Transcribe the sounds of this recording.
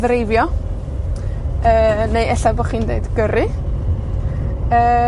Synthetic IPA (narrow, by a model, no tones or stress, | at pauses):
ðɾejvjɔ | əːnejɛɬaboχiːndeɨdɡ̥əɾɨ | əː